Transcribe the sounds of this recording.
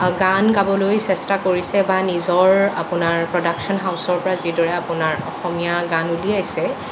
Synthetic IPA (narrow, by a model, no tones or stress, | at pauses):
ɡankabɔlojsɛstakoɹisɛbanizɔɹa̰pʊnaɹpɹɔdaksɔnɦaʊsɔɹpɔɹazidɔɹɛapʊnaɹɔ̰xɔmijaɡãnuliajsɛ